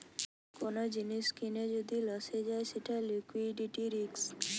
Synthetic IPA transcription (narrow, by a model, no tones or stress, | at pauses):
konod͡ʒiniskined͡ʒod̪ilɔsed͡ʒaeseʈʰalikwiɖiʈiɾiks